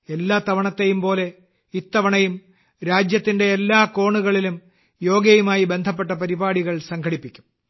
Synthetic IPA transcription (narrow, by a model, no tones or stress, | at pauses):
elːaːt̪ɐʋɐɳɐt̪ːejumpo̞ːle̞ | it̪ːɐʋɐɳɐjum | ɾaːd͡ʑjɐt̪ːinde̞ːlːaːko̞ːɳuɣɐɭilum | jo̞ːɡɐjumaːjibe̞nd̪ʱɐp̬ːe̞ʈːɐpɐɾibaːɽiɣɐɭsɐŋkʰɐɽipːikʲːu̥m